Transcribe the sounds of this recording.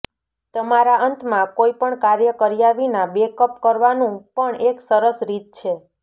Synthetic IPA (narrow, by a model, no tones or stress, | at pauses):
t̪əmaɾaənt̪mãkoipəɳkaɾjəkəɾijaʋinabekəpkəɾʋanũpəɳeksəɾəsɾit̪̚t͡ʃʰe